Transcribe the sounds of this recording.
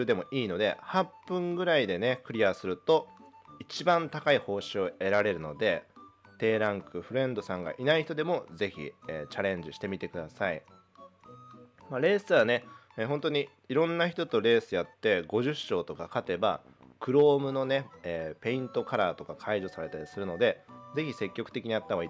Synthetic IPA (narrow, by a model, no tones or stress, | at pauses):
d̪e̞mo̞ʔiːno̞d̪e̞̰hãpːɯ̟̃ŋɡɯ̟ɾaid̪e̞ne̞kɯ̟ɾʲiasɨɾɯ̟t̪o̞ | it͡ɕibãnt̪akaiho̞ːɕio̞e̞ɾaɾe̞ɾɯ̟no̞d̪e̞ | t̪e̞ːɾãŋkɯ̟ɸɯ̟ɾẽ̞nd̪o̞sãŋɡa̰ʔinaiçit̪o̞d̪e̞mo̞ze̞çḭeːt͡ɕaɾẽ̞ɲ̟d͡ʑiɕi̥t̪emʲit̪e̞kɯ̟d̪asai | maɾe̞ːsɨβane | eɦont̪o̞ɲ̟i | iɾõ̞nːaçi̥t̪o̞t̪o̞ɾe̞ːsɨjat̪ːe̞ɡo̞ʑɨɕːo̞ːt̪o̞kakat̪e̞ba̰ | kɯ̟ɾo̞ːmɯ̟no̞neeːpe̞ĩnt̪o̞kaɾaːt̪o̞kakʰaiʑo̞saɾe̞t̪aɾʲisɨɾɯ̟no̞d̪e̞ze̞çise̞kʲːo̞kɯ̥t̪e̞kʲiɲ̟ijat̪ːaβai